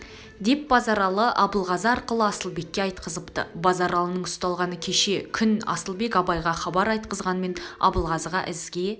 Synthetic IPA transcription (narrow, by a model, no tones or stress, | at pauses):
d̪e̞p̚bɑzɑɾɑlˠəʔɑbəlˠʁɑzəɑɾqəlˠəɑsəlˠbe̞kʲːe̞ɑjt̪̚qəzəpt̪ə̰bɑzɑɾɑlˠənəɴʊst̪ɑlˠʁɑnəkʲʰe̞ʃe̞kʲʰʏnɑ̰səlˠbe̞kʲɑbɑjʁɑχɑbɑɾɑjt̪̚qəzʁɑnəme̞nɑ̰bəlˠʁɑzʁɑ̰ʔɪzɡʲe̞